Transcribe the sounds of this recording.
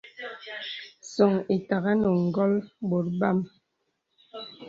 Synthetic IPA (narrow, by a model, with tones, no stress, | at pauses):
sɔ˨ŋi˨ta˨ɣa˦nɔ˨ŋ̩˨ɡɔ˦lbo˨t̚ba˦˨m